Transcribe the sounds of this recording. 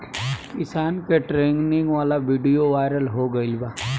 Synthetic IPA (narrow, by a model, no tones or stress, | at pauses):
kɪsaːnkeʈɾẽːŋɡnɪ̃ŋɡʋaːlaʋiːɖijoʋaːɪɾəlɦoɡɐɪlbaː